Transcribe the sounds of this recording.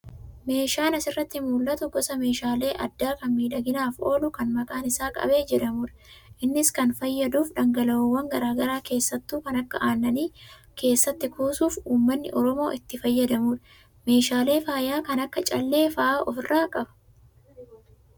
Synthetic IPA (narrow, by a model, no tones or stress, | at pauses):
me̞ːʃaːnɐsɪrːɐt̪ːɪmuːlːɐt̪ʊɡɔsɐme̞ːʃaːle̞ːʔɐd̪ːaːkɐnmiːᶑɐɡɪnaːfo̞̰ːlʊkɐnmɐkʼaːnɪsaːkʼɐ̰be̞ːd͡ʒɛᶑɐmuːᶑɐ̥ʔɪnːɪskɐnfɐjːɐd̪uːfᶑɐŋɡɐlɐoːwːɐŋɡɐɾaːɡɐɾaːke̞ːsːɐt̪ːuːkɐnɐkːɐʔaːnːɐniː | ke̞ːsːɐt̪ːɪkʰoːsuːfuːmːɐnːɪ̰ʔɔɾɔmo̞ːʔɪt̪ːɪfɐjːɐd̪ɐmuːᶑɐ̥ | me̞ːʃaːle̞ːfaːjaːkɐnɐkːɐt͡ʃʼɐlːe̞ːfɐʔaːʔɔfɪrːaːkʼɐbɐ̥